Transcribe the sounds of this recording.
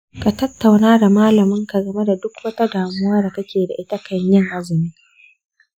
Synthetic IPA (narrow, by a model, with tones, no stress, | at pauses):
ka˨tɐ˦tːa˨wnaː˦da˨maː˦lɐ˨mɪ˦ŋka˨ɡɐ˦me˦da˨dʊ˦kwɐ˦ta˦daː˨mʊ˦waː˦da˨kɐ˦kʲeː˨da̰˨ʔɪ˦tɐ˦kʰɐ˨ɲjɪ˦ŋʔa˦zɪ˨ni˦k